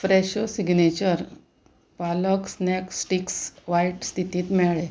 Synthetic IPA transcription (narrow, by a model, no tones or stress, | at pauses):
fɾeɕosiɡnet͡ɕəɾ | palɔksneksʈiksʋajʈst̪it̪iːt̪mɛɭe